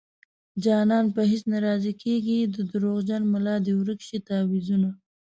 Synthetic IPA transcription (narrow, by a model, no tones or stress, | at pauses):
d͡ʒɑnɑnpəɦɪsnaɾɑzikʰeɡid̪əd̪əɾoɣd͡ʒanmalɑd̪iwɾəkʃit̪ɑːwizuna